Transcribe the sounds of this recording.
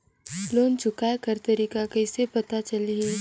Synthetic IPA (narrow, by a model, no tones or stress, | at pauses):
loːnt͡ʃʊkajkɐɾt̪ɐɾiːkakɐɪsepɐt̪at͡ʃɐliɦeː